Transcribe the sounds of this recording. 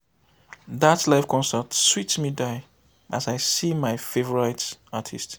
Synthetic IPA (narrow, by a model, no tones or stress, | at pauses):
ðatlaɪfkʰɔ̃nsətswitmidaɪ | ʔazaɪsimaɪfevɔɹaɪtatʰist